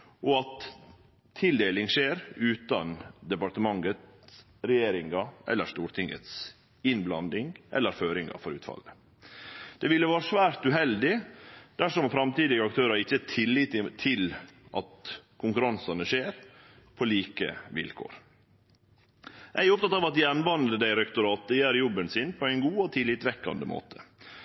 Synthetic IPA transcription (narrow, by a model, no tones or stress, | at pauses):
ʔɔɑt̪ʰː | ɪld̪eːlɪŋʂeːɾʉːt̪ɑnd̪ɛpɑɾʈt̪əmɑŋːət̪s | ɾɛjeːɾɪŋɑʔɛ̰lːəɾʂt̪uːɾt̪ʰɪŋːə̰t̪s | ɪnblɑnd̪ɪŋʔɛ̰lːəɾføːɾɪŋɑ̰fɔɾʉːt̪fɑ̰lːə | d̪̥ɛʋɪlːəʋɑːɾəʂʋæːɾt̪ʉɦɛld̪ɪd̪̥æʂɔmfɾɑmt̪iːd̪ɪɡəɑk̚t̪ʰøːɾɑɾɪçːət̪ʰɪlːɪːt̪ʰːɪlʔɑ̰t̪kʰʊŋkʉɾɑnsɑnəʂeːɾ | pʰɔliːkə̰ʋɪ̰lkʰo̰ːɾ | ʔæɪʊp̚t̪ɑt̪ɑːʋɑt̪̚d̪ɪɛnbɑnəd̪əd̪æɪɾɛkt̪ʊɾɑːt̪əjæːɾjɔbənsɪnpʰɔæɪnɡuːɔt̪ʰɪlːɪːt̪ʋɛkːɑ̰nd̪əmo̰ːt̪ʰə̥